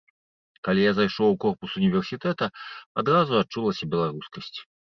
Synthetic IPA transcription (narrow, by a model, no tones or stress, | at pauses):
kalʲijazajʂɔwkɔrpusunʲivʲɛrsʲit̪ɛt̪ɐad̪ɾazuat͡ʂulˠɐsʲɐbʲɛlˠaɾuskɐsʲt͡sʲ